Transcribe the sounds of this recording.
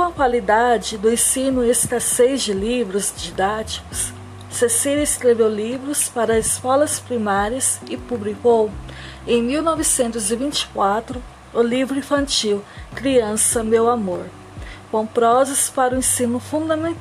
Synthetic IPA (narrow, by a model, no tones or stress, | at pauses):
kõɐkwalid̪ad͡ʒɪd̪ʊẽsĩnʊesk̪ɐsejzd͡ʒɪlivɾʊzd͡ʒid̪at͡ʃi̥kʊ̥sː | esilɐɪskɾevewlivɾʊspaɾɐzɪskɔlɐspɾimaɾiɐsɪpublikow | ẽj̃miwnɔvɪsẽnt̪ʊzɪvĩnt͡ʃɪ̥kwat̪ɾʊː | livɾʊĩfɐ̃nt͡ʃiwkɾiɐ̃sɐmewamoɾ | kõw̃pɾɔzɐspaɾʊẽsĩnʊfũd̪ɐmẽnt̪